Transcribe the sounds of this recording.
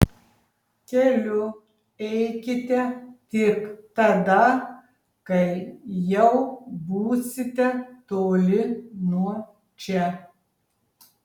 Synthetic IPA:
kʲɛlʲʊ | ɛɪkʲɪt̪ʲɛt̪ʲɪkt̪ɐd̪ɐ | kɐɪjɛʊbuːsʲɪt̪ʲɛt̪oːlʲɪnuɔ | t͡ʃʲɛ

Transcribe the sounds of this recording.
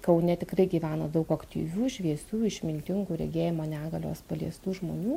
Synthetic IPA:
kɐʊnʲɛt̪ʲɪkrɐɪɡʲiːʋʲæːnoːd̪ɐʊkɐkt̪ʲḭːʋʲuːʃʲʋʲiɛsʲuːɪʃʲmʲɪnʲkʲɪŋɡuːɾʲɛ̰ɡʲeːjɪmoːnʲæːɡɐlʲo̰ːspɐlʲiɛst̪uːʒmo̰ːnʲuː

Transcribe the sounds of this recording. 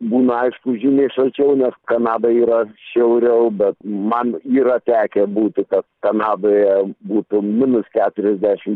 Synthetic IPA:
buːnɐɐɪʃkʊʒʲinʲɛɪʃɐlʲt͡ʃʲɛʊnʲɛskɐnɑːd̪ɐiːɾɐʃʲɛʊɾʲɛʊbʲɛt̪mɐniːɾɐt̪ʲæːkʲɛbuːt̪ʲɪkɐt̪̚kɐnɑːd̪oːjɛbuːt̪ʊmʲɪnʊskʲæːt̪ʊɾʲɛzʲd̪ʲæʃʲɪm

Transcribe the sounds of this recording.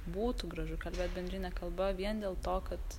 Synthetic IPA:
buːt̪uɡɾɐʒʊkɐlʲbʲeːt̪̚bʲɛnd̪ʲɾʲɪnʲɛkɐlˠbɐʋʲiɛnd̪ʲeːlˠt̪oːkɐt̪

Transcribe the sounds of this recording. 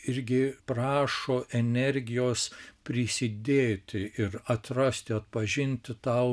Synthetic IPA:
ɪɾʲɡʲɪprɑːʃoːʔɛnʲɛɾʲɡʲɪjoːspʲɾʲɪsʲɪd̪ʲeːt̪ʲɪɪɾɐt̪rɐsʲt̪ʲɪɐt̪̚pɐʒʲɪnʲt̪ʲɪt̪ɐʊ

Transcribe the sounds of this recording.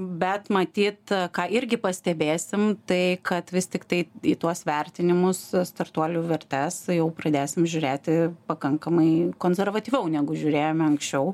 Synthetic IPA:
bʲɛt̪mɐt̪ʲiːt̪kɑːʔɪɾʲɡʲɪpɐsʲt̪ʲɛbʲeːsʲɪmt̪ɐɪkɐt̪ʋʲɪst̪ʲɪkt̪ɐɪit̪uɔsʋʲɛɾʲt̪ʲɪnʲɪmʊsst̪ɐrt̪uɔlʲuʋʲɛɾʲt̪ʲæsjɛʊpɾɐd̪ʲeːsʲɪmʒʲʊɾʲeːt̪ʲɪpɐkɐŋkɐmɐɪkoːnʲsʲɛɾʋɐt̪ʲiːʋʲɛʊnʲæːɡʊʒʲʊːɾʲeːjomʲɐŋksʲt͡ʃʲɛʊ

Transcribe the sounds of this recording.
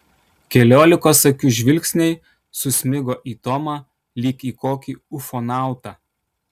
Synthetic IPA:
kʲɛlʲoːlʲɪkoːsɐkʲʊʒʲʋʲɪlʲksʲnʲɛɪ | sʊsʲmʲɪɡoːʔiːt̪ɔmɑː | lʲiːkiːkoːkʲiːʊfonɑˑʊt̪ɑː

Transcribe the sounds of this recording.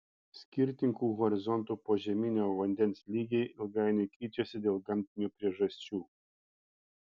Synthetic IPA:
sʲkʲiɾʲt̪ʲɪŋkuːɣɔɾʲɪzɔnt̪upoʒʲɛmʲinʲoʋɐnʲd̪ʲɛnʲsʲlʲiɡʲɛjɪlˠɡɑjnʲekɾʲiːt͡ʃʲosʲɛd̪ʲeːlˠɡɐmʲt̪ʲɪnʲupʲɾʲiɛʒɐsʲt͡ʃʲuː

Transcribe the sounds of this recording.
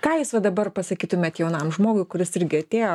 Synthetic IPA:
kɑːjusʋɐd̪ɐbɐrpɐsɐkʲiːt̪ʊmʲeɛːt̪jɛʊnɐmʒmoːɡʊɪkʊɾʲɪsɪɾʲɡʲɪɐt̪ʲeːjoː

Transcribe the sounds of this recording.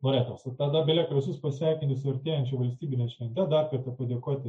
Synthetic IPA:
moɾʲeːt̪oːsɐt̪ɐd̪ɐbʲeɛlʲeːkʲɪsʲʊspɐsʲʋʲɛɪkʲɪnʲt̪ʲɪsʊɐɾʲt̪ʲeːjɛnʲt͡ʃʲɛʋɐlʲsʲt̪ʲiːbʲɪnʲeɛʃʲʋʲɛnʲt̪ʲɛd̪ɐrkɐrt̪ɐpɐd̪ʲeɛkoɔt̪ʲɪ

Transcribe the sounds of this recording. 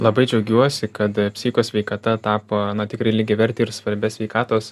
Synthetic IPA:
lˠɐbɐɪd͡ʒʲɛʊɡʲuɔsʲɪkɐt̪pʲsʲiːxʲɪkoːsʲʋʲɛɪkɐt̪ɐt̪ɑːpoːnɐt̪ʲɪkɾɐɪlʲɪɡʲɛʋʲɛɾʲt̪ʲɪɪɾsʋɐɾʲbʲɛsʲʋʲɛɪkɑːt̪oːs

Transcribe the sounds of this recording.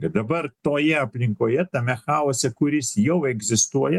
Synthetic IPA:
kɐt̪̚d̪ɐbɐɾt̪oːjɛɐpʲlʲɪŋkoːjɛt̪ɐmʲɛxɑːoːsʲɛkʊɾʲɪsjɛʊɛɡzʲɪst̪uɔjɛ

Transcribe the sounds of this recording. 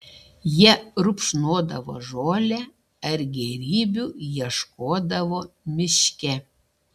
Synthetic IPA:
jiɛɾʊpʃnoːd̪ɐʋo̰ːʒoːlʲæ | ɐɾɡʲɛɾʲiːbʲuːjiɛʃkoːd̪ɐʋoːmʲɪʃʲkʲɛ

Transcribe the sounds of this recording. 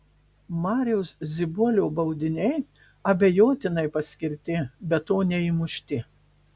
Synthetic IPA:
mɑːɾʲɛʊszʲɪbuɔlʲoːbɐʊd̪ʲɪnʲɛɪ | ɐbʲejoːt̪ʲɪnɐɪpɐsʲkʲɪɾʲt̪ʲɪbʲɛt̪ːoːnʲɛimʊʃʲt̪ʲɪ

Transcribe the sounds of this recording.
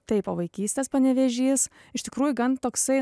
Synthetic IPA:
t̪ɐɪpɐʋɐɪkʲiːsʲt̪ʲeːspɐnʲɛʋʲɛʒʲiːs | ɪʃt̪ʲɪkɾuːjʊɡɐnt̪oːksɐɪ

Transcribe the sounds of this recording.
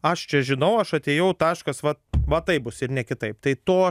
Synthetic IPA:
ɐʃt͡ʃʲɛʒʲɪnɐʊɐʃɐt̪ʲeːjɛʊt̪ɑːʃkɐsʋɐʋɐt̪ɐɪp̚bʊsɪrnʲɛkʲɪt̪ɐɪpt̪ɐɪt̪oː

